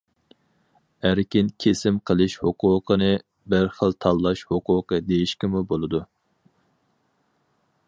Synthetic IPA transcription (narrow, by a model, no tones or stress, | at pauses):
æɾkʲinkʲʰesɪmqʰəlˠɨʃhoqʰʊqʰənɨ | bɨɾχəlˠt̪ʰɑlˠːɑʃhoqʊːqəd̪ejiʃkʲimubolˠɨd̪u